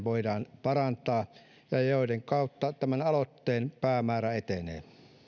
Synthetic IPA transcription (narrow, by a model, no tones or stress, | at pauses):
ʋoidɑːnpɑrɑnt̪ˑɑː | jɑjoˑideŋkɑˑut̪ːɑt̪æmænɑlot̪ːeːnpæːmæːræet̪enḛː